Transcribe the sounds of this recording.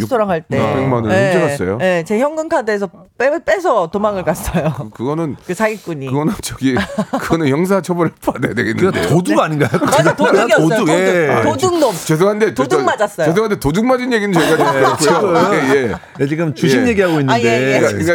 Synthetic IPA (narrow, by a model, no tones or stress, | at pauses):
sʰoɾaŋɦaɭt͈eoŋmanɯeod͡ʑʰiɾas͈ʌjoje̞t͡ɕe̞çjʌŋɡɯŋkʰadesʰʌ | pep͈esʰʌtomaŋɯɭk͈as͈ʌjokɯɡʌnɯnkɯt͡ɕaɡik͈uɲikɯɡʌnat͡ɕ͈ʰʌɡikɯɡʌnɯnjʌŋs̬ʰat͡ɕʰʌbʌɾep͈ʰadejadweɡenːɯadejoduɡaɲinɡakatʰaoaɡʌoʌoueoduŋnomt͡ɕes̬oɦande̞todmad͡ʑas͈ʌjes̬oɦandetoduŋmad͡ʑinje̞ɡinɯnt͡ɕekad͡ʑikʰooje̞ | et͡ɕiɡɯmt͡ɕuɕʰinje̞ɡiɦaɡoinːandekaika